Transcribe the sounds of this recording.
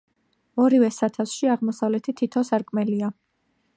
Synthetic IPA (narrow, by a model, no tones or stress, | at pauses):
ɔɾivɛsat̪ʰafsʃiaʁmɔsavlɛt̪ʰit̪ʰit̪ʰɔsaɾkʼmɛlia